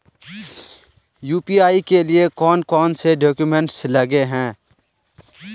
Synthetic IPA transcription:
juːpiːaːikelɪekɔːnkɔːnseɖoːkjumɛ̃ɳʈslɐɡeɦɛ̃ː

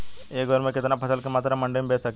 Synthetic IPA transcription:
eːɡʋɐɾmeket̪ɐnapʰɐsɐlkemaːt̪ɾɐmɐɳɖejmbeːsɐk

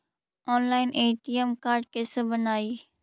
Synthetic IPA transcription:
ɔːnlaːɪnʔeːʈijemkaːɾʈ̚kesebənaːiː

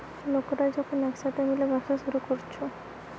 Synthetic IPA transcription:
lokɾaɾd͡ʑɔkʰonɛkʃat̪ʰemilebaʃaʃoɾukoɾt͡ɕʰo

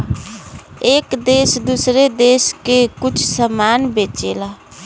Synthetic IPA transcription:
eːkd̪eːsd̪usɾed̪eːskekʊt͡ʃʰsəmaːnbeːt͡ʃela

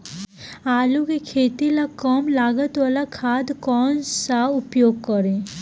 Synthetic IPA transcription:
aːlukekʰeːt̪ilakɔmlaːɡət̪waːlakʰaːd̪kɔːnsaʊpjoːɡ̚kəɾẽː

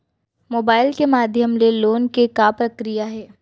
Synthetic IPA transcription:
moːbaːɪlkemaːd̪ʱjəmleloːnkekapɾɐkɾijaɦɛː

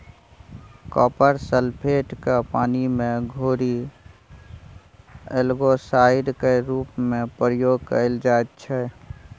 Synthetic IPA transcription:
kɔːpəɾsəlpʰeːʈkepaːnimẽɡʱoːɾi | elɡosaːɪɾkeɾuːpmẽpɾəjoːɡ̚kəɪld͡ʒat̪t͡ʃʰɛ

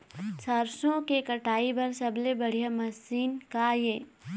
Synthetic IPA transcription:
sɐɾsõkekɐʈaːibɐɾsɐblebɐɽ̤ijamɐsiːnkajeː

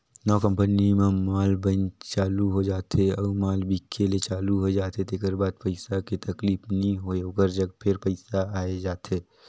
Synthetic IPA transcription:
nɔːkə̃mpənimẽmaːlbənt͡ʃaːluɦod͡ʒaːt̪eɔːmaːlbʱikʰelet͡ʃaːluɦoed͡ʒaːt̪et̪ʰeːkəɾbaːd̪̚pɐɪsakit̪ɐkliːfnĩɦookəɾd͡ʒɐɡpʰɪɾpəɪsaaːed͡ʒaːt̪eː

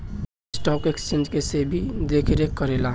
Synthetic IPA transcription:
sʈɔkekst͡ʃẽnd͡ʒkesebʱid̪ekʰeɾekːəɾela

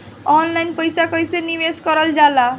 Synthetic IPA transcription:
ɔnlajnpəjsakəjseniʋeskɔɾəld͡ʒala

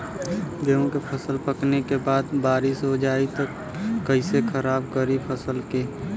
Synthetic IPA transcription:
ɡeõkepʰəsəlpəknekebaːd̪baːɾɪsɦod͡ʒaːit̪əkː | əɪsekʰəɾaːbkəɾipʰəsəlke

